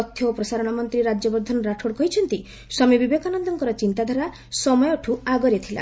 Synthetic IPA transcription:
ɔt̪ʰːjɔopɾɔsaɾɔɽ̃ɔmɔnt̪ɾiɾad͡ʒɔbɔɾd̪ʱːɔnɾaʈʰoɽkɔɦit͡ʃʰɔnt̪i | sɔmibibekanɔnd̪ɔŋkɔɾɔt͡ʃint̪ad̪ʱaɾa | sɔmɔjɔʈʰuaɡɔɾet̪ʰila̰

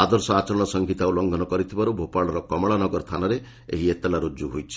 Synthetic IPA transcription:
ad̪ɔɾsɔat͡ʃɔɾɔɽ̃ɔsɔŋɡʱit̪aulɔŋɡʱɔnɔkɔɾit̪ʰibaɾubʱopaɭɔɾɔkɔmɔɭanɔɡɔɾɔt̪ʰanaɾe | ḛɦiet̪elaɾud͡ʒuɦojt͡ʃʰi̥

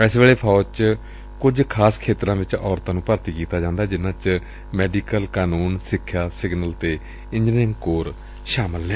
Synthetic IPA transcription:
ɛːsʋeːɭeːpʰɔːt͡ʃ | kʊd͡ʒkʰaːskʰeːt̪əɾãːʋɪt͡ʃɔːɾt̪ãːnũːpəɾt̪iːkiːt̪aːd͡ʒãːnd̪aːd͡ʒɪnãːt͡ʃ | mɛːɖiːkəlkaːnuːnsɪkʰːjaːsɪɡnəlt̪eː | ɪ̃ɲd͡ʒɪ̃ŋɡkoːɾ | ʃaːməlnɛ̃ː

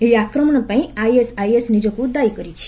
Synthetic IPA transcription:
eiakɾəmɳ̃pãĩajesaiesnid͡ʒokũd̪ajkəɾit͡ʃʰe̥

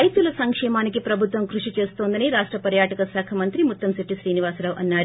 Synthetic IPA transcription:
ɐjt̪ulɐsɐŋkʂɛːmaːnikipɾɐbʱut̪ʋɐmkɾuʂit͡ʃe̞ːst̪o̞ːnd̪ɐniɾaːʂʈɾɐpɐɾjaːʈɐkɐsaːkʰɐmɐnt̪ɾimut̪ːɐmsɐʈːisɾiːniʋaːsɾaːʋʔɐnːaːɾ

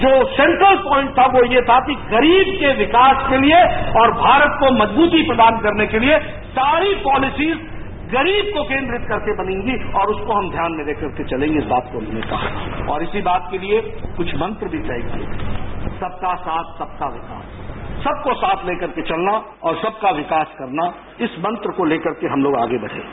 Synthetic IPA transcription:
d͡ʒoːsɛ̃ːɳʈɾəlpɔːɪ̃ɳʈ̚t̪ʰaʋojet̪ʰakiɣɐɾiːbkeʋɪkaːskelieɔːɾbʱaːɾət̪̚komɐd͡ʒbuːt̪ipɾɐd̪aːnkɐɾnekelie | saːɾipɔːlɪsiːz | ɣɐɾiːb̚kokẽːnd̪ɾɪt̪̚kɐɾkebɐnẽːŋɡiɔːɾʊskoɦɐmd̪ʱjaːnmẽleːkəɾket͡ʃɐlẽːŋɡeɪsbaːt̪̚komnḛt̪a̰ːɦɔːɾɪsibaːt̪̚keliekʊt͡ʃʰmɐ̃nt̪ɾbʱitɛːekḛsɐb̚kasaːt̪ʰsɐb̚kaʋɪka̰ːsːɐb̚kosaːt̪ʰleːkɐɾket͡ʃɐlna | ɔːɾsɐb̚kaʋɪkaːskɐɾna | ɪsmɐ̃nt̪ɾəkoleːkɐɾkeɦɐmloːɡa̰ːɡebɐɽ̤ḛ̃ːeː

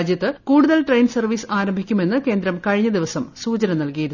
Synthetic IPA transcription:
d̪jɐt̪ːɨkuːɽuðɐlʈrejnsɐrʋiːsaːɾɐmbʱikʲːume̞nːɨke̞ːnd̪ɾɐmkɐɻiɲːɐd̪iʋɐsɐmsuːt͡ɕɐnɐmnɐlkijɐɾu

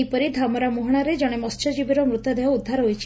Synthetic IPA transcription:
ipɔɾid̪ʱamɔɾamuɦɔɽ̃aɾed͡ʒɔɽ̃emɔst͡ʃʰɔd͡ʒibiɾɔmɾut̪ɔd̪eɦɔud̪ʱːaɾɦojt͡ʃʰ

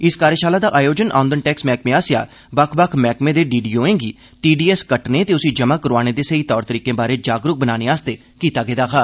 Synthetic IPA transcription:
ɪskaːɾjəːʃaːlaːd̪aːʔaːjoːd͡ʒənʔa̰ːnd̪ənʈɛːksmɛːkmẽːaːsja̰ː | bəkʰbəkʰmɛːkmẽːd̪eːɖiːɖiːõːẽːɡiː | ʈiːɖiːɛːskəʈneːt̪eːʊsĩːd͡ʒəmaːkəɾoaːñeːd̪eːseiːt̪ɔːɾt̪əɾiːkẽːbaːɾeːd͡ʒaːɡɾʊk̚bənaːneːaːst̪eː | kiːt̪aːɡəːd̪aːkʰaː

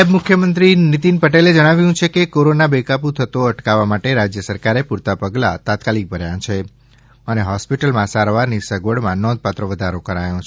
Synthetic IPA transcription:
ebmʊkʰjəmənt̪ɾinit̪inpəʈeled͡ʒəɽ̃aʋjũt͡ʃʰekekoɾonabekapũt̪ʰət̪oəʈkaʋamaʈeɾad͡ʒjəsəɾkaɾepuɾt̪apəɡla̰t̪at̪kalik̚bʱəɾjãt͡ʃʰe | əneɦɔspiʈəlmãsaɾʋaɾnisəɡʋəɽmãnɔ̃nd̪̚pat̪ɾəʋəd̪ʱaɾokəɾajõt͡ʃʰ

